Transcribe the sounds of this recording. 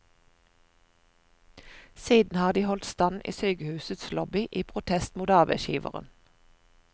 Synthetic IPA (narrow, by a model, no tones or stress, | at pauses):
siːd̪n̩hɑːʁd̪iːhɔlt̪st̪ɑnʔḭːsœʏɡəhʉːsət̪slɔbɪʔiːpʰʁʊt̪ʰɛst̪muːt̪ɑːbæ̰ɪʃḭːʋə̰ʁə̰n